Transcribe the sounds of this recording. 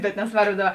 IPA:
bʲɛt nʲɛsˈʋɐrboː ˈdɑːˌbɐ

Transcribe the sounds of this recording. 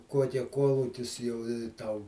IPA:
ˈkuɔkʲɛ ˈkuɔlˠʊkʲɪs jɛʊ ɪ ˈtɐʊ

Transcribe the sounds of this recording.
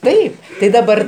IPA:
ˈtɐɪp tɐɪ dɐˈbɐr

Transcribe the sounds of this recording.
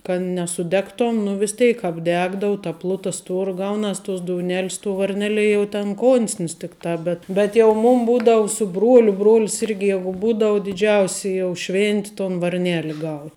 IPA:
kɐt nʲɛsʊˈdʲæːktoːn nʊ ʋʲɪs ˈtʲɛɪk ɐbʲˈdʲæːɡdɐʊ tɐ ˈplˠʊtɐ ˈstuɔrɐ ˈɡɐʊnɐs tuɔs doːʊˈnʲæːlʲɪs tuɔ ʋɐrʲˈnʲæːlʲiɛ jɛʊ tʲɛn ˈkoːnʲsʲnʲɪs ˈtʲɪkˌtɑː ˈbʲɛt bʲɛt jɛʊ ˈmuːm ˈbuːdɐʋʊ sʊ ˈbruɔlʲʊ ˈbruɔlʲs ˈɪrʲɡʲɪ ˈjæːɡʊ ˈbuːdɐʋʊ dʲɪˈd͡ʒʲɛʊsʲɪ jɛʊ ˈʃʲʋʲɪnʲtʲɪ toːn ʋɐrʲˈnʲeːlʲɪ ɡɐʊ

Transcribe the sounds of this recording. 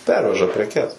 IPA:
ˈpʲɛrʲʋʲɛʒɐ pʲrʲɛˈkʲɛs

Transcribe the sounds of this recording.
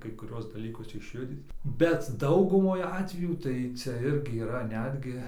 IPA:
kɐɪ kʊˈrʲuɔs dɐˈlʲiːkʊs ɪʃʲˈjʊdʲiːt bʲɛt ˈdɐʊɡʊmoːj ˈɑːtʲʋʲɛjuː tɐɪ ˈt͡sʲɛ ˈɪrʲɡʲɪ iːˈrɐ ˈnʲæːdʲɡʲɪ

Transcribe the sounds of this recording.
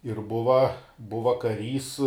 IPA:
ɪr ˈbʊʋɐ ˈbʊʋɐ kɐˈrʲiːs

